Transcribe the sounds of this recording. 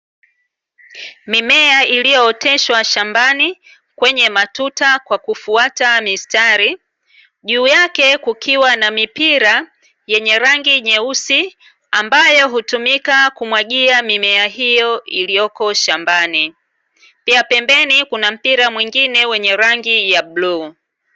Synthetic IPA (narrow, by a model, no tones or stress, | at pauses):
mimɛaʔilijɔːtʰɛʃwaʃambani | kwɛɲɛmatutakwakufuatamistaɾi | ʄuːjakɛkukʰiwanamipiɾa | jɛɲɛɾaŋɡiɲɛusi | ambajɔɦutumikakumwaʄiamimɛaɦijɔilijɔkɔʃambani | piapɛmbɛnikunam̩piɾamwiŋɡinɛwɛɲɛɾaŋɡijabluː